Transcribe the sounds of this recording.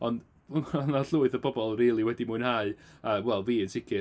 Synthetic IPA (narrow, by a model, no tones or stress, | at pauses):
ɔnd | ɔnaɬʊːɨðəbɔbɔlˠriːlˠiwɛdimuːnhaɨawɛlˠviːənsɪkʰɪ